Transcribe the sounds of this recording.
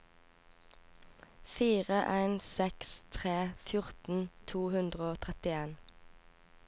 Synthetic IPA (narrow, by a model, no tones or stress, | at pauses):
fiːʁəʔæɪnsɛkst̪ʰʁeːfjʊʁt̪n̩t̪ʰuːhʉnd̪ʁəoːt̪ʰʁɛt̪ɪeːn